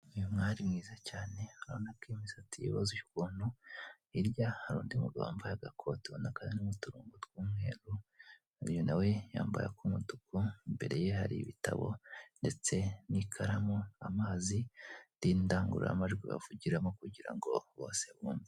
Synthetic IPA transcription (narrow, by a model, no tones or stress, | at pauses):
ujumŋaːɾimŋiːzacaːne̞aɾonakiːmiz̥atijḭβazuʃu̥kuːnhu | iɾɟahaɾuːndimuɡa̰ːmbajaɡakʰo̞tonakazinumutuɾuːŋɡotwuːmŋe̞ːɾu | uɾjonawe̞ja̰ːmba̰ja̰kumutukuimbe̞ɾe̞je̞ha̰ɾḭβitaβo̞̰nde̞t͡se̞nikʰaɾamoamaːzitiːndaːŋɡṵɾa̰maʒɡwiβa̰vuɟiɾamo̞kuɟiɾa̰ŋɡo̞̰βo̞ːseβuːmbi